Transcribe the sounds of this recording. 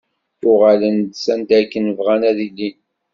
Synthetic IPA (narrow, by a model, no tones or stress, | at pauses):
θʊʁalənd̪sænd̪æɾkːənəvʁænæðilːin